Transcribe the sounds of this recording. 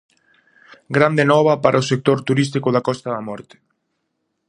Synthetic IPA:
ɡɾand̪enɔβ̞apaɾʔaosek̚t̪oɾt̪uɾis̬t̪ikoðakɔst̪aðamɔɾt̪e̥

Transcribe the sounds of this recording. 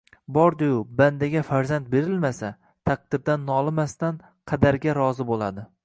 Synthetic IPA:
bɒɾd̪ʊjʊband̪aɡʲafaɾzant̪̚be̞ɾɪlmasa | t̪ʰaq̚d̪ɪɾd̪anːɒlˠɪmast̪an | qʰɑd̪aɾɡʲaɾɒzɪbolad̪ɪ

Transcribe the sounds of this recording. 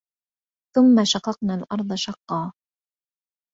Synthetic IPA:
θʊmːaʃɑqɑqnaːlʔɑɾˤd̪ˤɑʃɑqːɑː

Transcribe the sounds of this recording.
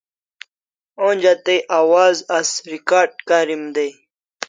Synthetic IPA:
õːnʲd͡ʑat̪eʔaːwaːzɐsɾikaːɾɖ̚kaːɾimd̪ej

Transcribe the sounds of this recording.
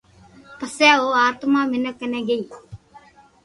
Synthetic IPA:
pəsɛːoːaːt̪mãːmɪnəkːənɛ̃ːɡəiː

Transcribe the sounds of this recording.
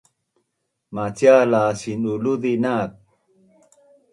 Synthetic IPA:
mat͡ɕjalaːɕinulud̪inaːt̪̚

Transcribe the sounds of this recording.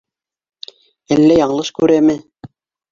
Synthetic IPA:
ælːæjɑɴɤ̆lˠɤʃkʉɾæmɘ

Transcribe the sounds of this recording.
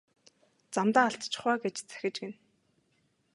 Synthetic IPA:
t͡samt̪aːaɬt̪t͡ɕʰɪ̥̆χwaːɡet͡ɕt͡sæ̥xʲɪ̆t͡ɕɡen

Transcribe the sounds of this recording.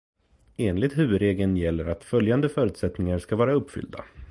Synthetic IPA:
eːnlɪɡ̚t̪ɦʉ̟ːvɵd̪ɾeːɡənjɛlːəɾat̪fœljand̪əfœːɾʉ̟ːt̪sɛt̪nɪŋaɾʂkavɑːɾaɵpːfʏ̰ld̪a̰

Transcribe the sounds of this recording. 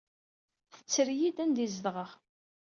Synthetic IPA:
θə̥t͡sːəɾjid̪ænd̪izəðʁəʁ

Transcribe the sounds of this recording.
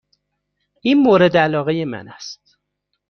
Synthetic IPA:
iːnmoːɾe̞d̪ælɒːɣejemæ̰næst̪

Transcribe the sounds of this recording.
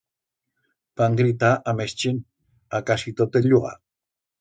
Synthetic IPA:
paŋɡɾit̪aʔamest͡ʃin | akasit̪ot̪eʎuɣa̰

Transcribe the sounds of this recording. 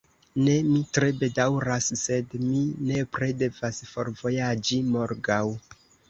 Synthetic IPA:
ne̞mitɾe̞be̞dawɾasːe̞dmine̞pɾe̞de̞vasfo̞ɾvo̞jad͡ʒimo̞ɾɡaw

